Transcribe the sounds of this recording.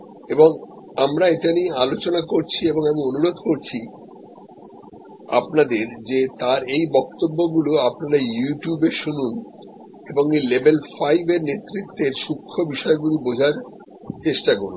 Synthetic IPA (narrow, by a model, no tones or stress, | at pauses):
eboŋ | amɾaeʈaniealot͡ɕonakoɾt͡ɕʰieboŋamionuɾod̪ʱkoɾt͡ɕʰi | a̰pnad̪eɾd͡ʑet̪aɾejbɔk̚t̪obːoɡuloapnaɾajuʈjubeʃunun | eboŋejlebelfajbeɾnet̪ːɾit̪ːeɾʃukʰːobiʃɔeɡulibod͡ʑʱaɾ | t͡ɕeʃʈaɡulu